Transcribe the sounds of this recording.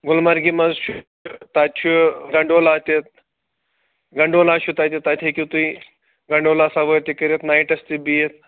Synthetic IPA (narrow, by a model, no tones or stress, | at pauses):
ɡulmaɾɡimɐzʃu | t̪at̪t͡ʃʰuɡɐɳɖolat̪et̪̚ | ɡɐɳɖolaːʃut̪at̪ʲet̪ːat̪ʰekʲit̪ui | ɡɐɳɖoːlasaʋət̪ikəɾet̪naiʈɐst̪ibijet̪̚